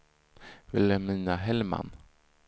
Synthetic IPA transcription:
vɪlɛmiːnaɦɛlma̰n

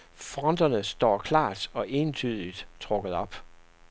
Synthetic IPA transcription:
fʁɒ̽nd̥ɐnəsd̥ɒ̰ːkʰlɑ̰̈ːd̥ɒ̽ʔe̝ːnt͡sʰyð̞ˠlid̥t͡sʰʁɔɡ̥əð̩ˠɒ̽b̥

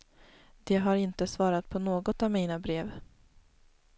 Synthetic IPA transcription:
d̪̥ɛɦaɾɪnt̪əsvɑːɾat̪̚pʰɔnoːɡɔt̪avmiːnabɾeːv

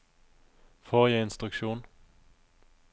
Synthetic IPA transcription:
foːʁjæɪɪnst̪ʁʉkʃuːn

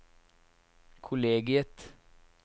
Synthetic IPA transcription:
kʰʊleːɡɪət̪

